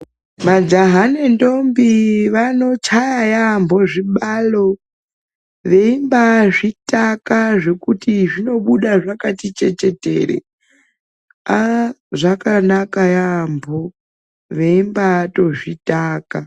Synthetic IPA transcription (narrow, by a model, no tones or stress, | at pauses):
mad͡ʒaɦanendo̞mbiʋano̞t͡ʃajajaːmbʱo̞ʐiɓalo̞ | ʋe̞imbaʐitakaʐe̞kutiʐino̞ɓuɗaʐakatit͡ʃe̞t͡ʃe̞tḛɾḛ | aʐakanakajaːmbʱo | ʋe̞imbato̞ʐitaːka